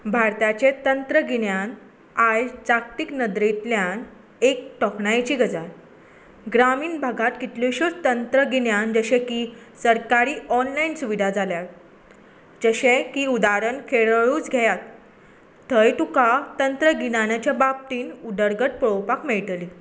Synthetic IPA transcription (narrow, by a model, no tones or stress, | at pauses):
bʱaɾt̪at͡ɕẽt̪ənt̪ɾəɡinjan | ajt͡sakʈ̪iknəd̪ɾet̪ljan | ek̚ʈɔkɳajt͡ɕiːɡʱəd͡zaɾ | ɡɾamiːnbʱaɡat̪kit̪loɕot͡st̪ənt̪ɾəɡinjand͡zəɕẽkisəɾkaɾiːɔnlainsuʋid̪ʱad͡zaljat̪ | d͡ʑəɕẽkiːud̪aɾənkʰeɭɭuːt͡sɡʱɛjat̪ː | əjt̪ukat̪ənt̪ɾəɡinanat͡ɕjabab̚t̪iːnud̪əɾɡəʈ̚pɭowpakmeɭʈ̪li